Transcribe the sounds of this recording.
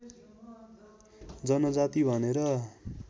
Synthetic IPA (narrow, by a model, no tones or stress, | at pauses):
d͡zʌnʌd͡zat̪ibʱʌneɾʌ